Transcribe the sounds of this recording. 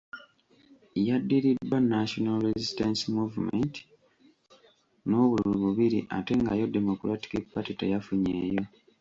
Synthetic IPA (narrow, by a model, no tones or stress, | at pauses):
jadːiɾidːwanːaʃonalɾezistansimuvumḛnt | no̞ːβululuβuβiɾiʔa̰te̞ŋɡajo̞dːemukulwati̥kipːatitḛjafuɲeːjo̞